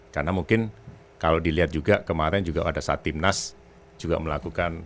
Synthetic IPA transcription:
karnamuŋkɪn | kalodiliɦat̪̚d͡ʒuɡakəmaɾɛnd͡ʒuɡaʔadasaat̪imnas | d͡ʒuɡa̰məlakukan

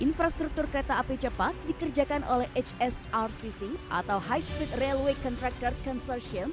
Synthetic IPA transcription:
ʔinfɾast̪ɾuk̚t̪ʊrkəɾet̪aʔːpet͡ʃəpat̪̚dikərd͡ʒakanʔolɛhʔet͡ʃɛsarsisiʔa̰t̪awɦajspɾit̪relwekɔnt̪ɾak̚t̪ɔrkɔnsɔrʃiən

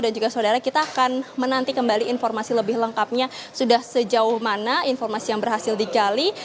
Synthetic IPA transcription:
dand͡ʒuɡasəodaɾakit̪aːkanmənant̪ikəmbaliːnfɔrmasiləbɪhləŋkap̚ɲasudahsəd͡ʒaʊhmanainfɔrmasijaŋbərɦasɪldiɡali

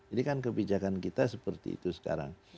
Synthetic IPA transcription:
d͡ʒadikankəbid͡ʒakankit̪asəpərt̪ḭḭt̪usə̥ka̰ɾa̰ŋ

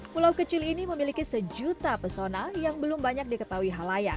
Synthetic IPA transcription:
pulawkət͡ʃɪliniməmilikisəd͡ʒut̪apərsonajaŋbəlumbaɲak̚dikət̪aɦuiɦalajak̚

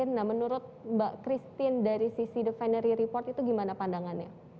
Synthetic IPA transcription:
ɪnːahmənuɾʊt̪̚baʔkɾist̪ɪndaɾisisidəfanəɾiɾipɔrt̪it̪uɡimanapandaŋanɲa

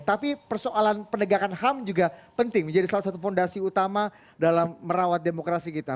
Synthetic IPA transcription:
t̪apipərsoʔalanpənəɡakanhamd͡ʒuɡapənt̪ɪŋməɲd͡ʒadisalasat̪ufondasiut̪ama | dalamːəɾawat̪̚demokɾasikit̪a

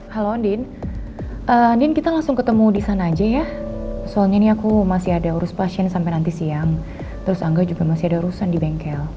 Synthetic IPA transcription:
haloandɪn | ʔəandɪnkit̪alaŋsʊŋkət̪əmudisanaːd͡ʒajasoalɲaniakumasiadauɾʊspasiɛnsampajnant̪isiaŋ | t̪əɾʊsaŋɡad͡ʒuɡamasiadaɾusandibɛŋkɛl

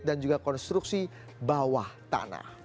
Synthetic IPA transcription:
dand͡ʒuɡakɔnst̪ɾuk̚si | bawaht̪a̰na̰

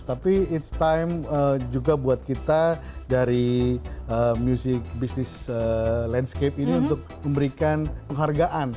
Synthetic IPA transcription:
t̪apiɪt̪st̪ajməd͡ʒuɡabuat̪̚kit̪adaɾi | əmjusɪk̚bisnɪsəlɛndskepiniunt̪ʊk̚məmbəɾikanpəŋɦarɡaʔan

